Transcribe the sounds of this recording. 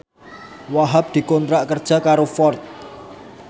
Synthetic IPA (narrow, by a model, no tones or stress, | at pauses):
waɦap̚d̪̥i̤kɔnt̪ɾaʔkərd̥ʒ̥a̤kaɾofɔrt̪̚